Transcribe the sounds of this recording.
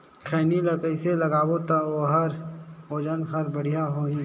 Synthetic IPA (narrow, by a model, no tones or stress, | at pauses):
kʰɛːnilɐpɛɪselɐɡaːwot̪aoɦəɾoːd͡ʒənkʰəɾbəɽ̤ijaɦoːĩ